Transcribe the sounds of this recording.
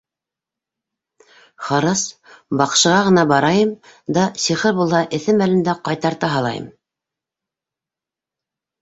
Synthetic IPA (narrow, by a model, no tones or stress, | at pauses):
χɑɾɑsbɑqʃɤ̆ʁɑʁɤ̆nɑbɑɾɑjɤmd̪ɑsiχɘɾbulˠhɑʔɘ̆θɘmælɘ̆nd̪æqɑjt̪ɑɾt̪ɑɦɑlˠɑ̰jɤ̰m